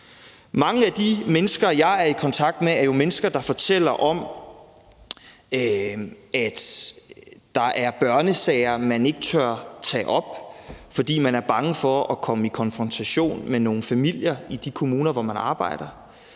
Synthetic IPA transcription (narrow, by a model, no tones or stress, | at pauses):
mɑ̈ŋəæd̥imenəsɡ̥ɐjɑ̈ɪæɐikʰɒ̽nt͡sʰɑ̈ɡ̥̚d̥meæɐjo̝menəsɡ̥ɐd̥ɑ̈fɒ̽t͡sʰel̰ɐʔɒ̽m | æd̥ | d̥ɑ̈ʔæɐb̥ɶɐnəsɛɪɐmæne̝ɡ̥ət͡sʰɶɐ̰t͡sʰɛ̰ːʔɒ̽b̥fɒ̽d̥ḭːmænæɐb̥ɑ̈ŋəfɒʔɒkʰɒ̽məikʰɒ̽nfʁɒ̽nt͡sʰæɕo̝̰ːnmeno̝ːn̩fæmil̰jɐid̥ikʰo̝muːnɐʋɒmænɑ̈ːb̥ɑ̈ɪ̰ɾ̥ɐ